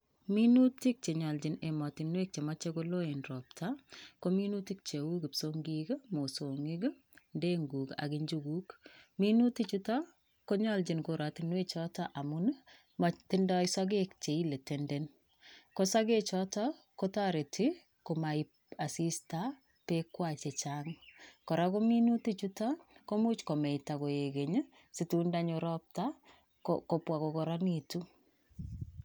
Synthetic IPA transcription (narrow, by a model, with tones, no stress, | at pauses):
mi˦nu˦ti˦k̚t͡ʃe˨ɲɔ˨ld͡ʒɪ˨ne˨mɔ˨tinwe˦k̚t͡ʃe˨ma˦t͡ʃeɡo˦lo˦e˨nɾɔ˨p̚tʰakomi˦nu˦ti˦k̚t͡ʃe˨wu˦ɡi˨psoŋɡiɡa˦mo˨soŋɪ˦ɡ | nde˦ŋɡu˨ka̰ɡɪɲd͡ʒuɡu˦kmi˦nu˦ti˦t͡ʃu˦ta | ko˦ɲɔ˦ld͡ʒinkoɾa˨tinwe˦t͡ʃɔ˦taʔa˨mʊn | mti˦ndɔ˦isa˦ɡe˦k̚t͡ʃe˨i˦le˨tenden | kosa˦ke˦t͡ʃɔtɔ | ko˦ta˦ɾe˨tʰi | ko˨ma˨i | a˨si˦sta | pe˦kwat͡ʃe˨t͡ʃaŋkɔ˨ɾa˦ko˦mi˦nuti˦t͡ʃu˦tɔ˦ko˦mu˦t͡ʃko˨mɛ˨ita˨ko˨je˨ke˨ɲ | si˨tunda˦ɲoɾɔp̚ta | koko˨pwa˨ko˨kɔ˨ɾɔ˦nitu˦